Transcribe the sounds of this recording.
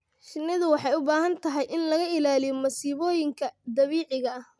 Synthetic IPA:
ʃɪnːɪðʊwɑħɑjʊbaːɦɐnt̪ʰɐɦɛjʔɪnlɐɣɐɪlaːlɪjɔmɐsiːβɔːjɪŋkʰɐd̪ɐβiːʕɪɣɐɐh

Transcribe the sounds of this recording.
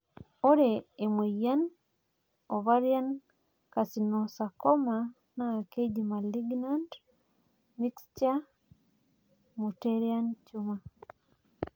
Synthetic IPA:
oɾeːmwejan | oβaɾjan | kasinosakoma | nakeɟimaliɡnant | miksca | muteɾiant͡ʃuma

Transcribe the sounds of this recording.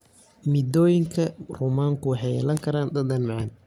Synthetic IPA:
mid̪ɔːjɪŋkʰɐruːmaːŋkʰʊwɑħɛjɛlɐŋkʰɐɾaːnd̪ɐd̪ɐnmɑʕɑn

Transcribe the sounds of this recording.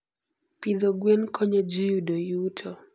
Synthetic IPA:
pid̪oɡwenkʰɔɲed͡ʒijudojutʰo

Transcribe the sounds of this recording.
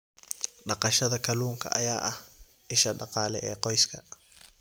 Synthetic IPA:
ɗɑqɑʃɐðɐkʰɐluːŋkʰɐ̰ʔajaːʔɐh | ʔɪʃɐɗɑqɑːlɛ̰ʔɛːqɔjskʰɐ

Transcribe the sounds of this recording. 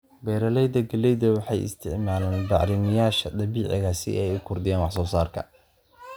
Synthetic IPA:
bɛjɾɐlɛjðɐɡɐlɛjðɐwɑħɑjɪ̰st̪ʰɪʕmaːlaːnbɑ̰ʕɾɪnɪjaːʃɐd̪ɐβiːʕɪ̰ɣaːsɪ̰ʔɛjʊkʰʊrd̪ɪjaːnwɑħsɔːsaːrkʰɐ̰

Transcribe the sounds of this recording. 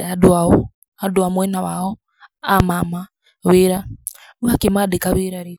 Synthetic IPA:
aduaɔ | aduamwɛnawaɔ | amama | βeɾa | βakimadekaβiɾaɾi

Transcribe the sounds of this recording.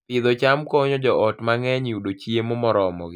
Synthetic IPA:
pɪðot͡ʃamkɔɲɔd͡ʒɔʔɔtmaŋɛɲiudot͡ʃiemomɔɾɔmɔ̰ɡɪ

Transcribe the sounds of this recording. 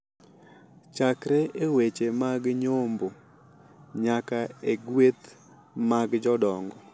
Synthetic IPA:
t͡ʃakɾeewet͡ʃemaɡɲombo | ɲakaeɡwet̪ | maɡd͡ʒɔdɔŋɡɔ

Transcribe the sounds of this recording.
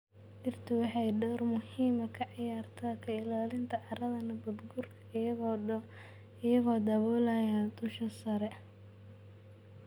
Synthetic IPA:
dɪrt̪ʰɪwɑħɑjɖɔrmʊhiːmɐkʰɐʕɑjaːrt̪ʰɐkʰɐɪlaːlɪnt̪ʰɐʕɑɾɐðɐnɐɡud̪ɡurkʰɐɪjɐɣɔː | ɪjɐɣɔːd̪ɐβɔːlɐjaːnd̪ʊʃɐsɐɾɛ

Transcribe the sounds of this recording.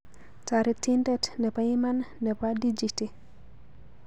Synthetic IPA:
taɾitindɛtnɛpajimanːɛpadid͡ʒiti

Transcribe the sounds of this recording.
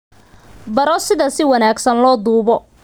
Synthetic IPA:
bɐɾɔsɪðɐsɪwɐnaːɡsɐnlɔːd̪uːβɔ

